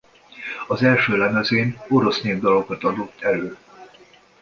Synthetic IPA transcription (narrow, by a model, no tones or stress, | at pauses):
ɒzɛlʃøːlɛmɛzeːno̞ɾo̞sneːvd̪ɒlo̞kɒt̪ɒd̪o̞t̪ʰːɛløː